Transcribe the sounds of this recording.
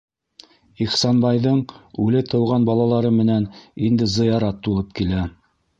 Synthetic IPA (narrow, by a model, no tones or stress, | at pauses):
iχsɑnbɑjðɤɴʉlɘt̪ɤ̆wʁɑnbɑlˠɑlˠɑɾɤmɘ̆nænind̪ɘzɤ̆jɑɾɑt̪ːulˠɤp̚kilæ